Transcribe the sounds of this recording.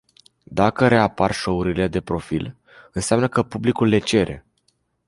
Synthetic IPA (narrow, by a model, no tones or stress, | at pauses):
d̪akəɾe̞aparʃouɾile̞d̪e̞pɾo̞fil | ɨnseamnəkəpublikulːe̞t͡ʃe̞ɾʔe̞̰